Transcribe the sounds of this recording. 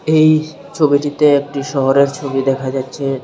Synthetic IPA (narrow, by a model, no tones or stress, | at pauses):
ej | t͡ɕʰobiʈit̪eek̚ʈiʃɔɦoɾeɾt͡ɕʰobid̪ɛkʰad͡ʑatːɕʰe